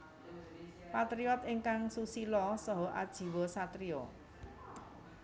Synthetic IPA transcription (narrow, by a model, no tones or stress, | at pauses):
pat̪ɾiɔt̪iŋkaŋsusilɔsɔɦɔʔad̥ʒ̥i̤wosat̪ɾio